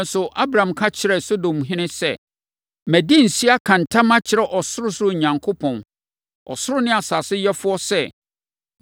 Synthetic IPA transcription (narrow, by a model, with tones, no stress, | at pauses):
n̩˦sʊ˨ʔa˦bɾã˨mkʰa˦t͡ɕʰɪ˨˦ɾɛ˨so˦dõ˨mɦɪ̃˦nɪ̃˦sɛ˦˨ | mæ˨di˦n̩˨si˦a˦kʰã˨ntʰã˦mã˦t͡ɕʰɪ˨ɾɛ˦ʔɔ˨sʊ˦ɾʊ˦sʊ˦ʊ˦ɲ˨ɲã˨ŋkʰo˦pʰɔ̃˨n | ɔ̰˨sʊ˦ɾʊ˦nɪ̃˦a˨sa˨sɪ˦jɛ˦fʊ˦ɔ˦sɛ˦˨